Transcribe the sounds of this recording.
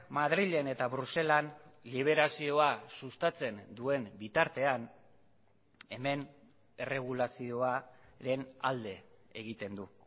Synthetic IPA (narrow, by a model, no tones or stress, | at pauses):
mað̞ɾiʎe̞ne̞t̪aβɾuse̞lanliβ̞e̞ɾasio̞asust̪at͡se̞nd̪ue̞mbit̪aɾt̪e̞an | e̞me̞n | ere̞ɣ̞ulasio̞aɾe̞na̰ld̪e̞ː | ɣ̞it̪e̞nd̪u